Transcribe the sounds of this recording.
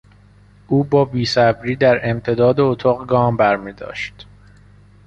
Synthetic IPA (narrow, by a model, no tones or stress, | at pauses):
ʔuːbɒːbiːsæbɾiːd̪æɾe̞mt̪ʰe̞d̪ɒːd̪eot̪ʰɒːɣɡɒːmbæɾmiːd̪ɒ̰ːʃt̪